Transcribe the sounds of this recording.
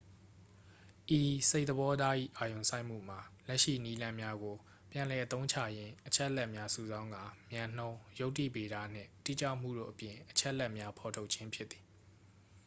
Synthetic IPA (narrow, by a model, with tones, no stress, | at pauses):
ʔi˨se˦ɪʔ̪t̪əbɔ˦d̪a˦ʔḭ˦˨ʔa˨jõ˨sa˦ɪʔm̥ṵ˦˨m̥a˨lɛ˦ʔʃḭ˦˨ni˦lã˦mja˦ɡo˨ | pjã˨nlɛ˨ʔət̪õ˦ʊ̃t͡ɕʰa̰˦˨jɪ̃˦ʔət͡ɕʰɛ˦ʔəlɛ˦ʔmja˦sṵ˨zã˦ʊ̃ŋɡã˨mjã˨n̥õ˦ʊ̃jo˦ʊtːḭ˦˨pe˨ɾa˦˨n̥ɪ̰̃˦˨tḭ˦˨t͡ɕa˦˨m̥ṵ˦˨do̰˦˨ʔəpjɪ̃˨ʔət͡ɕʰɛ˦ʔəlɛ˦ʔmja˦pʰɔ˨tʰo˦ʊʔt͡ɕʰɪ̃˦mpʰjɪ˦t̪t̪i̥˨